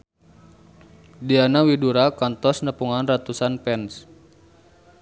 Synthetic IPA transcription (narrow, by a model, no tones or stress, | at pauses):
dianawiduɾakɔnt̪ɔsnəpuŋanrat̪usanpɛns